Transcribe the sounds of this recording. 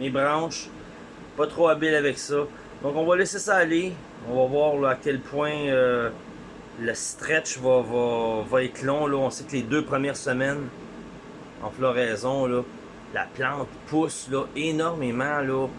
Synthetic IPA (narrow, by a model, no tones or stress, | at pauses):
mebʁɑ̃ːʃ | pɔt̪ʁoabɪlavɛksɔ | d̪̥ɔ̃kɔ̃vʌlɛsesɔːle | ɔ̃vɔvwɑːʁlɔakʲɛlpʰwɛ̃ø | ləst̪ʁɛt͡ʃvʌvɔvɔɛt̪ʰlɔ̃lɔɔ̃sekleːd̪øːpʁəmjɛːʁsəmɛn | ɑ̰̃flɔʁɛːzɔ̃lɔ | la̰plɑ̃ːt̪pʰʊslɔenɔʁmemɑ̃lɔ